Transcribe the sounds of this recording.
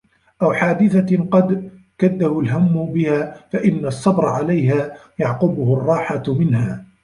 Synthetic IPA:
ʔawħaːd̪ɪθaqɑd̪ | kad̪ːahʊlɦamːʊbɪhaːfaʔɪnːasˤːɑbɾˤɑʕalajɦaːjɑʕqʊbʊhʊrˤːɑːħamɪnɦaː

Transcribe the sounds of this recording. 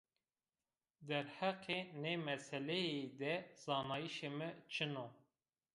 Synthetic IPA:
d̪ɛɾhɛqenemɛsɛlɛjed̪ɛz̥ɑːnɑːjiʃemɨt͡ʃʰɨno

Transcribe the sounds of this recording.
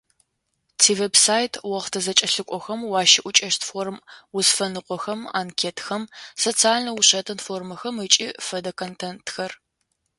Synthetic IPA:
tʰiːvebsaːjtʰwɔʁtʰɐzɐt͡ʃʼɐɬɨkʷʼɔxɐmwɑːʃɪʔʷʊt͡ʃʼɐʃtfoːrmwʊzfɐnɨqʷʼɔxɐma̰ːnkʰeːtxɐmsoːt͡sʰaːɮnɐwuɕɐtʰɨnfoːrmɐxɐmɨt͡ʃʼiːfɐdɐkʰontʰentxɐr

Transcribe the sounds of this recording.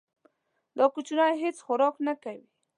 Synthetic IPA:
d̪okʊt͡ʃʊnaɦet͡sxʊɾɔknakawi

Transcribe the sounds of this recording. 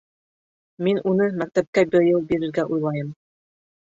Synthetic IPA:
minʔunɤmæk̚t̪æp̚kæbɘɾjɤlˠbiɾɘ̆ɾɡæʔujlˠɑjɤm

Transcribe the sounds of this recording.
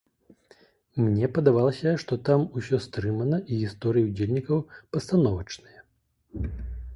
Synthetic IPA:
mnʲɛpɐd̪avalˠɐsʲɐʂt̪ɔt̪amusʲɔst̪ɾɨmɐnɐʔiɣʲist̪ɔɾɨjɐud͡zʲelʲnʲikɐwpɐst̪anɔvɐt͡ʂnɨjɐ

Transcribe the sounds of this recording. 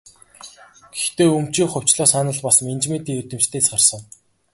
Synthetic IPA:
ɡ̥ext̪eːɵm̥t͡ɕiːkχʊw̥ʲt͡ɕɮɔːsanə̆ɮpasment͡ɕmeːt̪iːɵt̪ɵ̆mt͡ɕt̪ʰeːt͡sɢarsə̆ŋ

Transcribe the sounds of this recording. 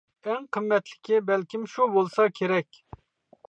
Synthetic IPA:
ɛŋqʰəmːɛt̪lɪ̥kʲʰibɛlkʲimʃubolˠsɑkʲʰeɾɛkʲ

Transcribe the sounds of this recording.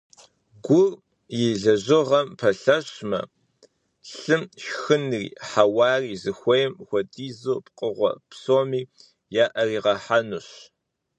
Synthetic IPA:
ɡʷʊr | jɪɮɐʑɪʁɐmpʰɐɬɐɕmɐ̰ | ɬɨmʃxɨnrḭːħawɑːriːzɨxʷejmxʷɔdʰʼiːzoːpqʼəʁʷɔ̰psoːmiː | jaːʔɐriːʁɐħanuɕ

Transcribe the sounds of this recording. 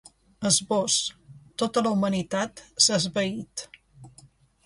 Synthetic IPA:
əzβɔst̪ot̪ələwmənit̪at̪səzβəit̪

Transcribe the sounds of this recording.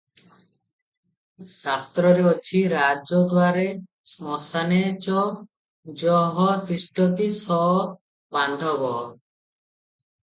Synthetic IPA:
sast̪ɾɔɾeot͡ʃʰiɾad͡ʒod̪waɾe | smɔsanet͡ɕɔ | d͡ʒɔɦɔt̪isʈot̪isɔ | band̪ʱɔbɔ

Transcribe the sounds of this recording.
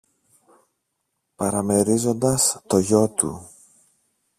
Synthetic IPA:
pɐɾɐme̞ɾizo̞nd̪ɐst̪o̞ʝo̞t̪ṵ

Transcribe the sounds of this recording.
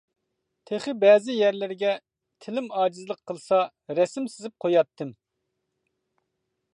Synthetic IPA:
t̪ʰeχɪbɛːzɪjæɾlɪɾɡʲɛ | t̪ʰɪlɪmɑːd͡ʒɪzlˠəqʰːəlˠsɑ | ɾɛsɪmsɪzɪp̚qʰojɑt̪ʰːɨm

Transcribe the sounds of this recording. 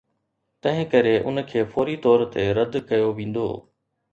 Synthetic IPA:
t̪ɐ̃ɦɪ̃kɐɾeʔʊ̰nkʰeːfoːɾit̪ɔːɾt̪eɾɐd̪kɐjoʋĩːn̆d̪o̰ː

